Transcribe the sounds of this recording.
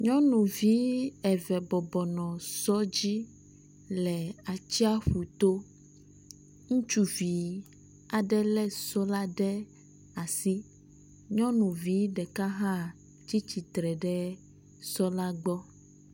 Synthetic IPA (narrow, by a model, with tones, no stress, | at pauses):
ɲɔ̃˦nũ˨vi˦ɛ˨vɛ˨bɔ˨bɔ˨nɔ̃˨sɔ˦d͡ʑi˦ | lɛ˨a˨t͡ɕi˦a˦ɸu˨t̪o˦ | ŋũ˦t͡ʃu˦vi˨ | a˨ɖɛ˦lɛ˦sɔ˦la˦ɖɛ˦ | a˨si˦ | ɲɔ̃˦nũ˨vi˨˦ɖɛ˨ka˦ɦã˦˨ | t͡ɕi˦t͡ɕi˨t̪ɾɛ˨ɖɛ˦ | sɔ˦la˦ɡ͡bɔ˦